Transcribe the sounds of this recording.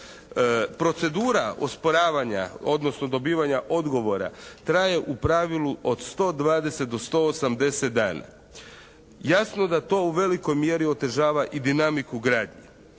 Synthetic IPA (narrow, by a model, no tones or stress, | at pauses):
pɾo̞t̪se̞d̪uːɾao̞̰spo̞ɾaːʋaɲa̰o̞d̪nosno̞d̪o̞biːʋaɲaʔo̞d̪ɡo̞ʋo̞ɾa̰t̪ɾaje̞ʔupɾaʋiluo̞d̪st̪o̞ːd̪ʋaːd̪e̞se̞t̪̚d̪o̞st̪o̞osamd̪e̞set̪̚d̪a̰ːna̰ | jasnod̪at̪o̞uʋe̞liko̞jmje̞ɾio̞t̪e̞ʒaːʋaʔid̪inamikuɡɾaːd̪ɲi